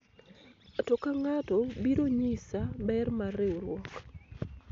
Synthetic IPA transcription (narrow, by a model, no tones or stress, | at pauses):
atɔkaŋatɔbiɾoɲisabɛrmareoɾwɔk